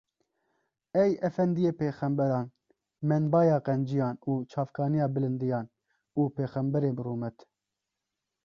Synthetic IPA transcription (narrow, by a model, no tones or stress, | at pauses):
ɛjɛfɛnd̪ijeːpeːxɛmbɛɾɑːn | mɛnbɑːjɑːqɛnd͡ʒijɑːnuːt͡ʃʰɑːfkʰɑːnijɑːbɨlɨnd̪ijɑːn | uːpeːxɛmbɛɾeːbɨruːmɛt̪